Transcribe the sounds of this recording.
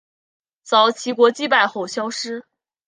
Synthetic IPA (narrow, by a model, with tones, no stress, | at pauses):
t͡sɑ˨˥ʊt͡ɕʰi˧˥kwɔ˧˥t͡ɕi˥pa˥˧ɪxo˥˩ʊɕjɑ˥ʊʂɻ̩˥